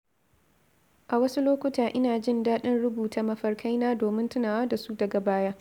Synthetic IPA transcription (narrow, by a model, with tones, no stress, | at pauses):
ʔa˨wɐ˦su˦loː˦kʷʊ˦taː˨ʔɪ˦naː˨d͡ʒɪ˦˨ndaː˦ɗɪ˦nɽʊ˦buː˨taː˨mɐ˦ɸɐ˦rkʰa˦jnaː˦doː˨mɪ˦ntʊ˦naː˨waː˦da˨su˦dɐ˨ɡa˨baː˦ja˦